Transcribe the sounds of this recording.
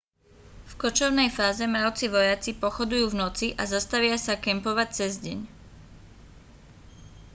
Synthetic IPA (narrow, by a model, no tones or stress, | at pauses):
fkɔt͡ʃɔʊnɛjfaːzɛmɾaʊt͡siʋɔjat͡sipɔxɔd̪ujuːvnɔt͡siʔazast̪aʋɪasakɛmpɔʋac̚t͡sɛzɟɛɲ